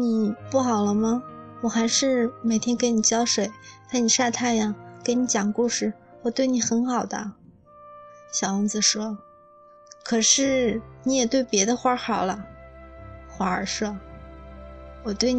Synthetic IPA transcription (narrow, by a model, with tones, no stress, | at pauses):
ni˨˩pu˥˩xɑ˨˩ʊlə˦mɐ˧wɔ˨˩xa˧˥ɪʂɻ̩˥˩me˨˩ɪt̪ʰjɛ˥nke˧˥ɪni˨˩t͡ɕjɑ˥ʊʂwe˨˩˦ɪt̪ʰa˥˩ɪni˨˩ʂa˥˧t̪ʰa˥˩ɪja˩ke˧˥ɪni˧˥t͡ɕjɑ˨˩ŋku˥˧ʂɻ̩˥˩ | wɔ˨˩t̪we˥˩ɪni˨˩xə˧˥nxɑ˨˩ʊd̪ə̰˦ | ɕjɑ˨˩ʊə˧˥˩t͡sɹ̩˧˩ʂwɔ˥ | kʰɤ˨˩ʂɻ̩˥˩ni˧˥jɛ˨˩t̪we˥˩ɪpjɛ˧˥d̪ə˧xwa˧˥xɑ˨˩ʊlə˦ | xwa˧˥ə˨˧˩ʂɤ˥˩ | wɔ˨˩t̪we˥˩ɪ